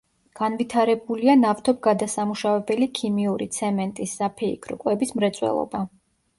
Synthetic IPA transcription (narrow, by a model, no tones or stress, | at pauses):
ɡ̥anvit̪ʰaɾɛbulianaft̪ʰɔb̚ɡad̪asamuʃavɛbɛlikʰimiuɾit̪sʰɛmɛnt̪ʼisːapʰɛḭkʰɾkʼwɛbismɾɛt̪sʼwɛ̰lˠɔ̰ba